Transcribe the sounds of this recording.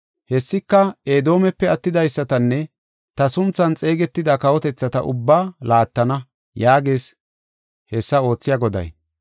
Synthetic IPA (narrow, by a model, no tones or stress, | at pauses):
hɛsːɪkːɐeːd̪o̞ːmɛpːɛɐt̪ːɪd̪ɐjsːɐt̪ɐnːɛ | t̪ɐsʊnt͡sːɐnt͡sʼe̞ːɡɛt̪ːɪd̪akɐwɔt̪ɛt͡sːɐt̪ɐʔʊ̰bːaːlaːt̪ːɐnɐ | jaːɡe̞ːs | hɛsːɐo̞ːt͡sːɪjaːɡɔd̪ɐ̰j